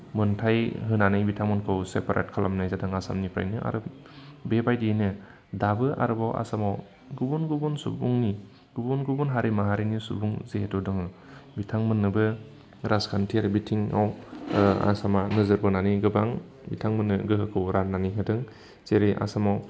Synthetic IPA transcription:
mɯntʰajɦɯnanɯjbitʰaŋmɯnkʰɯwsepaɾʔḛt̚kʰalamnajzadɯŋasa̰mnipʰɾa̰jnɯʔa̰ɾɯ | bebajdinɯ | dabɯʔa̰ɾɯbawʔa̰samaw | ɡubunɡubunsṵbuŋni | ɡ̥ubunɡubunɦaɾimaɦaɾinisṵbuŋzeetɔdɯŋɯ | bitʰaŋmɯnːɯbɯ | ɾaskʰantʰiaɾɯbitʰiŋa̰w | a̰samanɯzɯɾbɯnaniɡɯbaŋ | bitʰaŋmɯnːɯ̰ɡɯɦɯkʰɯwɾananiɦɯdɯŋ | t͡ʃeɾeʔa̰samaw

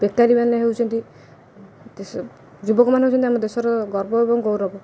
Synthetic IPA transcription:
b̥ek̚t̪aɾimanːeɦeuwt͡ʃʰɔnt̪i | t̪es | d͡ʒubɔkɔmanɦewt͡ʃʰɔnt̪iamɔd̪esɔɾɔɡɔɾbɔebɔŋɡɔwɾɔbɔ

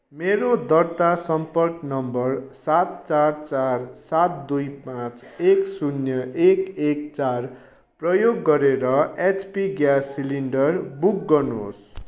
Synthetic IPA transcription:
meɾod̪ʌrt̪asʌmpʌrknʌmbʌrsat̪̚t͡sart͡sarsat̪̚d̪ujpãt͡seksunjʌʔekek̚t͡sar | prʌjoɡːʌɾeɾʌet͡spiɡjasːiliɳɖʌrbuk̚ɡʌnos

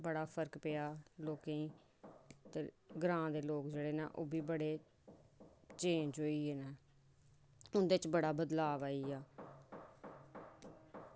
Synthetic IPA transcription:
bəɽaːpʰəɾkpeːaːloːkẽĩː | t̪eːɡɾãːd̪eːloːkd͡ʒeːɽeːna̰ːʔoːbiːbəɽeː | t͡ʃẽːɲd͡ʒɦoːiːeːnaː | ʊnd̪eːt͡ʃbəɽaːbəd̪laːʋaːiːaː

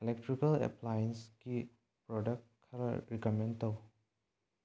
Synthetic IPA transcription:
elek̚tɾikɐlḛplajensɡi | pɾɔdɐk̚kʰːɐɾɐ̰ɾikomentɐw

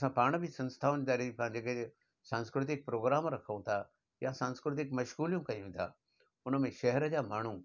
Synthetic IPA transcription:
sãːpaːɽ̃bʱisɐ̃nst̪ʰaːʊ̃nd̪aːɾepʰãd͡ʑeːke | sãːnskɾɪt̪̬ɪk̚pɾoːɡɾaːmɾɐkʰəũt̪ʰa | jasãːnskɾɪt̪̬ɪkmɐʃɣuːlijũkɐjũt̪ʰa̰ː | ʊnəmẽʃɐɦɛɾəd͡ʑaːmaːɳ̤̃ũ

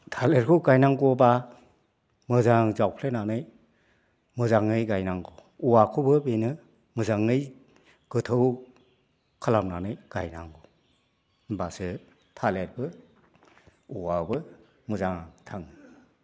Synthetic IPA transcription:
tʰaleɾkʰɯɡajnaŋɡɔba | mɯzaŋŋzawpʰlenanɯj | mɯzaŋːɯjɡajnaŋɡɔ | uwakʰubɯbenɯ | mɯzaŋːɯj | ɡ̥ɯtʰɯw | kʰalamnanɯjɡ̥a̰jna̰ŋɡɔ | basɯ | tʰaleɾbɯ | uwabɯ | mɯzaŋtʰaŋɯ

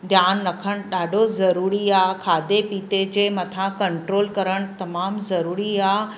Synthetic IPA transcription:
d̪ʱjaːnɾɐkʰəɽ̃ɗaːɖʱozɐɾuːɾiaːkʰaːd̪epiːt̪ed͡ʑeːmɐt̪ʰãkɐɳʈɾoːlkɐɾəɽ̃t̪ɐmaːmzɐɾuːɾiaː

